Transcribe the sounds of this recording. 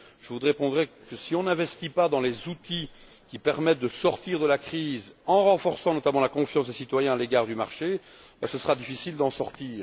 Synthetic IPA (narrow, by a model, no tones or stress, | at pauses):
ʒ̥əvud̪ʁepɔ̃d̪ʁɛkəsiɔ̃nɛ̃vɛst̪ipad̪ɑ̃lezut̪i | kʲipɛʁmɛt̪̚d̪əsɔʁt̪iːʁd̪əlakχiːzɑ̃ʁɑ̃fɔʁsɑ̃nɔt̪amɑ̃lakɔ̃fjɑ̃sd̪esit̪wajɛ̃aleɡaːʁd̪ymaʁʃe | basəsəʁad̪ifisild̪ɑ̃sɔʁt̪iːʁ